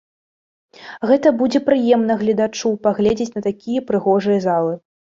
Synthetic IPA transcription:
ɣɛt̪ɐbud͡zʲɛpɾɨjɛmnɐɣlʲɐd̪at͡ʂupaɣlʲɛd͡zʲet͡sʲnɐt̪akʲijɐpɾɨɣɔʐɨjɐzalˠɨ

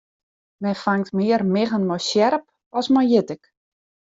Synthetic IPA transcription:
mɛfaŋtmɪərmɪɣənmɔjsjɛɾəp | ɔsmɔjjɪtɪk

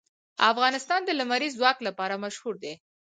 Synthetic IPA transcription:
afɣɑnɪst̪ɑnd̪əlamaɾizwɑklapɑɾamaʃhuɾd̪e

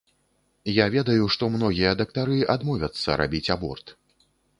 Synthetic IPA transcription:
javʲɛd̪ɐjuʂt̪ɔmnɔɣʲijɐd̪ɐk̚t̪aɾɨʔad̪mɔvʲɐt̪sːɐ̰ɾa̰bʲit͡sʲabɔ̰rt̪

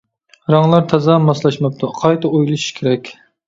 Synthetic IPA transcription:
ɾɑŋlˠɑɾt̪ʰɛzɑmɑslˠɑʃmɑp̚t̪ʰɑqʰɑjt̪ɑojlˠɨʃi̥ʃkʲʰeɾɛkʲ

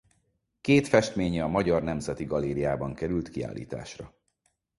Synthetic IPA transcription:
keːt̪fɛʃt̪meːɲɛɒmɒɟɒrnɛmzɛt̪iɡɒleːɾijaːbɒŋkɛɾylt̪kia̰ːlːḭːt̪a̰ːʃrɒ

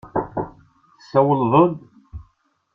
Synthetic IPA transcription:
θəsːæwəlðˤəd̪

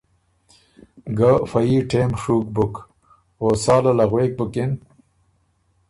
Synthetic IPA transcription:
ɡafɐjiʈʰeːmʂuːk̚buk | osaːlalaɣweːk̚buken

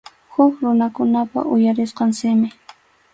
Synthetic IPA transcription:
hʊkɾʊnakʊnapa̰ʔʊjaɾɪsqɑnsɪmɪ

